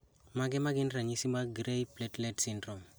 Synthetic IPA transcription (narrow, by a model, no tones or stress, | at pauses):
maɡɛmaɡɪnraɲisimaɡrejplɛtlɛtsɪndrɔm